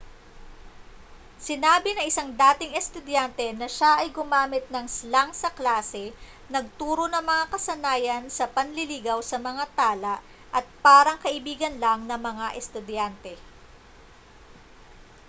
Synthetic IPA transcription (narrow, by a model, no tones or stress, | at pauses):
sɪnaːbɪnɐŋʔɪsaŋd̪aːt̪ɪŋɛst̪ʊd̪jant̪ɛnɐʃaʔɐjɡʊmaːmɪt̪̚nɐŋslaŋsɐklaːsɛ | nɐɡ̚t̪uːɾo̞nɐŋmɐŋakɐsɐnaːjɐnsɐpɐnlɪliɡɐwsɐmɐŋat̪aːlɐʔ | ʔɐt̪̚paːɾɐŋkɐʔɪbiːɡɐnlɐŋnɐŋmɐŋaʔɛst̪ʊd̪jant̪ɛ